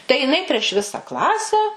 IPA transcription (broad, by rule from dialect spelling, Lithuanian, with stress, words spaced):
tɐɪ jɪˈnɐɪ pʲrʲiɛʃ ˈʋʲɪsɐ ˈklˠɑːsʲɛ